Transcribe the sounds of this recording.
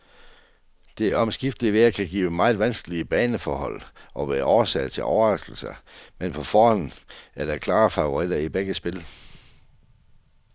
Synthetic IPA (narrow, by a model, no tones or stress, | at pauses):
d̥e̝æɐɒ̽msɡ̥ifd̥liʋe̝ækʰæɡ̥ḭːʊəmɑ̈ɪð̩ˠʋænsɡ̥əliəb̥ɛːnəfɒːɦɒ̽l̰ʔɒ̽ʋæːɐʔɒʊɐsɛ̰ɪt͡sʰe̝lʔɒ̰ʊɐʁɑ̈sɡ̥l̩sɐmenpʰɒ̽fɒːhɒ̽nn̩æɐɾ̥ɑ̈kʰlɑ̈ːfɑ̈oʁid̥ɐib̥eɡ̥əsb̥e̝l